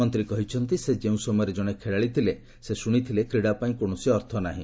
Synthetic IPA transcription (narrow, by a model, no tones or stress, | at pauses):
ɔnt̪ɾikɔɦit͡ʃʰɔnt̪ised͡ʒeũsɔmɔjɔɾed͡ʒɔɽ̃ekʰeɽaɭit̪ʰile | sesuɽ̃it̪ʰilekɾiɽapaĩkoɽ̃ɔsiɔɾt̪ʰɔnaɦĩ